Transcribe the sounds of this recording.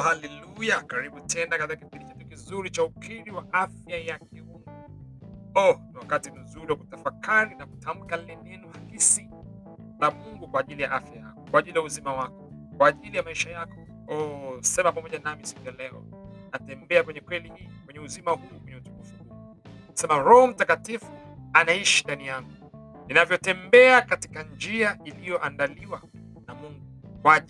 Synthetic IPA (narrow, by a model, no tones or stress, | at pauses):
halɛlujakaɾiɓutɛnakatikakipiɗit͡ʃatukizuɾit͡ʃaukʰiɾiwaʔafjajakɛmuŋɡu | ɔniwakatim̩zuɾiwakutafakaɾinaku̥tʰam̩kalɛnɛnuhakisi | lamuŋɡukwaːʄilijaʔafjaja̰kɔkwaːʄilijauzimawakɔ | kwaːʄilijamaiʃajakɔ̥ | ɔsɛmapamɔʄanamisi̥kujalɛɔ̰natɛmbɛakwɛɲɛkwɛlihiːkwɛɲɛuzimahuukwɛɲɛutumufuu | nasɛmaɾɔhɔm̩takatifu̥anaiʃindanijaŋɡu | ninavjɔtɛmbɛakati̥kand͡ʒiaʔilijɔʔandaliwa | namuŋɡukwa